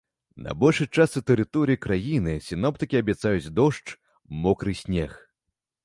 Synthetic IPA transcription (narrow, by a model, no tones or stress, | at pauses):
nɐ̰bɔlʲʂɨt͡ʂasɨt̪ɛɾɨt̪ɔɾɨjikɾajinɨsʲinɔp̚t̪ɨkʲiɐbʲɛt̪sajut͡sʲd̪ɔʂt͡ʂ | mɔkɾɨsʲnʲɛx